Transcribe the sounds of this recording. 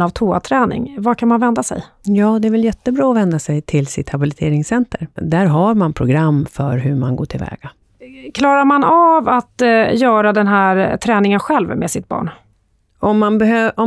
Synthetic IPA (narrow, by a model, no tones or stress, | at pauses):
navt̪ʰoːa̰t̪ʰɾɛːnɪ̰ŋvakʰanmanvɛnd̪asɛ̰j | jɑːd̪ɛæɾvɛljɛt̪ːəbɾɑːɔvɛnd̪asɛjt̪ʰɪlsɪt̪habɪlɪt̪ʰeːɾɪŋsɛnt̪ʰəɾd̪æɾɦaɾmanpʰɾʊɡɾamːfœɾɦɵmanɡo̰ːʈʰɪlvɛ̰ːɡ̥a | kʰlɑːɾaɾmanavat̪jœːɾad̪ɛnɦæɾt̪ʰɾɛːnɪŋənɧɛlvmḛsɪt̪̚bɑ̰ːɳ | ɔmːanbɛøʔɔ